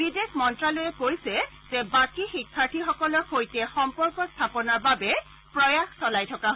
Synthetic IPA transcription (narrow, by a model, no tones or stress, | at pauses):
bidekmɔntɹalojɛkojsɛ | zɛbakixikʰːaɹʈʰixɔkɔlɔkʰojtɛxɔmpɔɹkɔst̪ʰapɔnaɹbabɛ | pɹɔjaxsɔlajtʰɔkaɦ